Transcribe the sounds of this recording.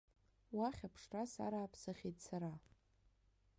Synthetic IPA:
waχʲapʰʂrasa̰ɾaːpʰsɨχʲejtsaɾa

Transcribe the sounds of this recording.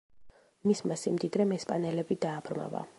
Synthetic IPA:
mismasimd̪id̪ɾɛmɛspʼanɛlɛbid̪aːb̥ɾma̰va̰

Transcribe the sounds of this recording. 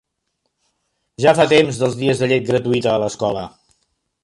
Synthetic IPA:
ʒafat̪emzðəlˠzðiəzðəʎet̪̚ɡɾət̪uit̪əːləskɔlə̰

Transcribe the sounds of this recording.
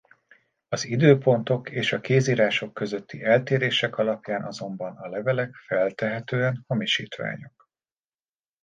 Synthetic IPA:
ɒzid̪øːpo̞nt̪o̞keːʃɒkeːziːɾaːʃo̞kːø̞zøt̪ʰːiʔɛlt̪eːɾeːʃɛkɒlɒpjaːnʔɒzo̞mbɒnɒlɛvɛlɛkfɛlt̪ɛɦɛt̪øːɛnho̞miʃḭːt̪ʋa̰ːɲo̞k̚

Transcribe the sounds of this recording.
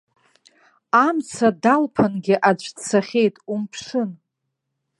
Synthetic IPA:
amt͡sʰadalpʰanɡʲɪʔad͡ʒʷʰʼt͡sʰaχʲe̞jtʼumpʰʂɨn

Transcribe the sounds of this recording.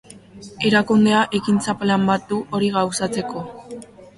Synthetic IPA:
e̞ɾakund̪e̞aʔe̞kint͡saplambat̪̚d̪uʔo̞ɾiɣawsat͡se̞ko̞

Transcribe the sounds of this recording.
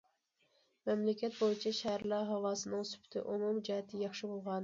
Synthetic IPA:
mɛmlɪkʲɛt̪̚bojit͡ʃʰɛʃæhɾlˠɑɦɑwɑːsɨnɨŋsy̥pʰy̥t̪ʰɪ̰ʔumumd͡ʒɛɦɛt̪ʰɪjɑχʃɨbolˠʁɑn

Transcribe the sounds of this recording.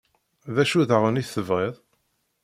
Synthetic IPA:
ðæʃuðəʁəniθːəvʁeðˤ

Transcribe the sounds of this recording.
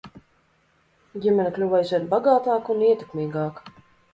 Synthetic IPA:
ɟʲimʲɛnʲɛklʲuvajzʲvʲɛnbaɡaːt̪aːkuniɛt̪e̥kmʲiːɡaːk

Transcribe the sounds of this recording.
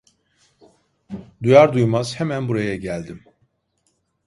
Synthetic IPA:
d̪ujaɾd̪ujmaz̥hemænbuɾajaɟælʲd̪im

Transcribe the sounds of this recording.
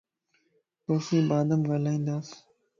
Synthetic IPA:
t̪oːfiːbaːd̪əmɡəlaːĩːnd̪aːs

